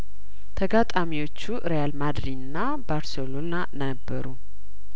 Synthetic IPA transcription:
t̪ʰəɡat̪ʼamiwo̞t͡ʃːuʔɨɾejalmad̪ɾinːa | baɾselolnanəbːəɾu

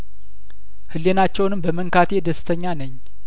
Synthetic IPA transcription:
hɨlːenat͡ʃːɛwnɨmbəməŋkat̪ʰe̞d̪əsɨ̥t̪ʰəɲːanəɲː

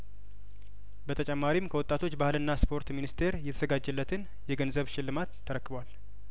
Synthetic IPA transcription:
bət̪ʰət͡ʃʼɛmːaɾimkʰəwɔt̪ʼːat̪ʰo̞t͡ʃːbahɨlɨnːaspʰo̞ɾt̪minist̪ʰe̞ɾjɛt̪ʰəzəɡad͡ʒːɛlːət̪ʰɨn | jɛɡənzəβʃɪlːɨmat̪ʰːəɾəkːɨbwal

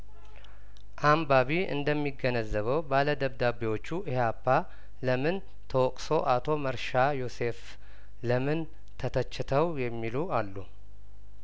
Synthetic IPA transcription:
ʔambaβiɨ̰nd̪əmːiɡənəzːəβəwbaləd̪əβd̪abiwo̞t͡ʃːuʔhapːa | ləmɨn | t̪ʰəwɔkʼso̞ʔat̪ʰo̞məɾʃajose̞f | ləmɨn | t̪ʰət̪ʰət͡ʃːɪt̪ʰəwjɛmːilualːu

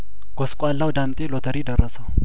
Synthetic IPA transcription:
ɡ̥ɔskʷʼalːawd̪amt̪ʼelot̪ʰəɾid̪ərːəsəw

